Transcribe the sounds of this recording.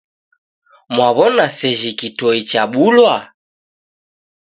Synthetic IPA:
mwaβɔnasɛʒikitɔit͡ʃaɓulwa

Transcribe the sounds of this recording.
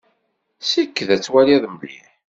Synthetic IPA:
sikːðæt͡sːwæliðˤməlḭħ

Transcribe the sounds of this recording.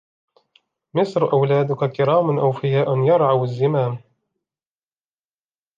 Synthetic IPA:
mɪsɾʔawlaːd̪ʊkakɪɾaːmʊnʔawfɪjaːʔʊnjɑɾˤʕawazːɪmaːm

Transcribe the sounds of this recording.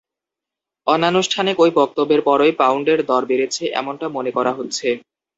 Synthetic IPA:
ɔnːanːoʃʈʰanekojbɔk̚t̪obːeɾpɔɾojpawɳɖeɾd̪ɔɾbeɾet͡ɕʰeʔɛ̰moɳʈamonekɔɾaɦot̪ːɕʰe

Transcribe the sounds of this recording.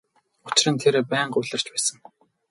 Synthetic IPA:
ʊ̥t͡ɕɪ̆rə̆nt̪ʰeɾpæːɴɢʊːɮə̆r̥t͡ɕpæːsə̆ŋ

